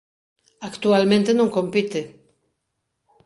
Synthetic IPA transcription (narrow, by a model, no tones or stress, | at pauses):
akt̪ualmẽnt̪enõŋkompit̪e